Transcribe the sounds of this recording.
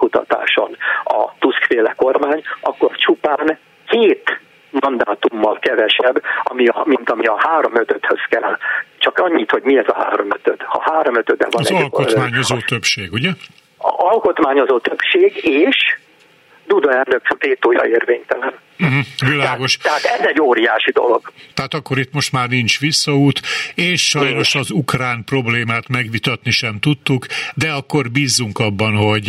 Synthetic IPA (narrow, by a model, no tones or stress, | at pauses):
kut̪ɒ̰t̪a̰ːʃo̞̰nɒ̰t̪uskfeːlɛko̞rmaːɲɒkːo̞rt͡ʃupaːn | keːt̪ | mɒnd̪aːt̪umːɒlkɛvɛʃɛbːɒmiɒmint̪ɒmiɒhaːɾo̞møt̪øt̪hø̰skɛlt͡ʃɒkɒɲːit̪ho̞ɟmiɛzɒɦa̰ːɾo̞møt̪øt̪hɒ̰haːɾo̞møt̪ød̪ɛ̰vɒɛɒlkot̪maːɲozoːt̪øpʃeːɡuɟɛ | ɒlko̞t̪maːɲo̞zoːt̪øbʃeːɡeːʃ | d̪ud̪ɒɛnøkveːt̪oːjɒ̰eːrveːɲt̪ɛlɛn̩ɦm̩ʋilaːɡo̞ʃɛaːt̪ɛzɛɟːoːɾijaːʃid̪o̞̰lo̞̰ɡ̥t̪ɛɦaːt̪ɒkːo̞ɾit̪mo̞ʃt̪maːrnint͡ʃʋisːɒuːt̪eːʃʃɒjno̞ʃɒzukraːnpro̞bleːmaːt̪mɛɡʋit̪ɒt̪niʃɛmt̪ut̪ːukd̪ɛɒkːo̞rbiːzːuŋkɒbːɒnɦo̞ɟ